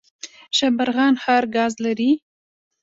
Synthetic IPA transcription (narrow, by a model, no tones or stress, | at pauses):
ʃabaɾɣɑnxɑɾɡɑzlaɾi